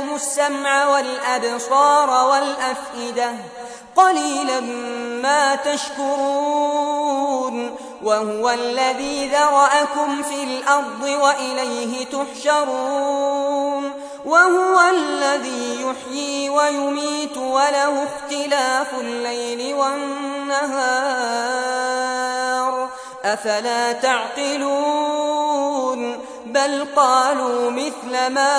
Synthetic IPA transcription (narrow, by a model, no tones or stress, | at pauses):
mʊsːamʕawalʔabsɑːɾˤwalʔafʔɪd̪a | qɑliːlamːaːt̪aʃkʊɾuː | n | wahʊwalːaðiːðɑɾˤɑʔakʊmfiːlʔɑɾˤd̪ˤɨwaʔɪlajɦɪt̪ʊħʃɑɾuː | n | wahʊwalːaðiːjʊħjiːwajʊmiːt̪walahʊxt̪ɪlaːfʊlːajlɪwannːaɦaː | ɾ | ʔafalaːt̪aʕt̪ɨluː | n | balqɑːluːmɪθlamaː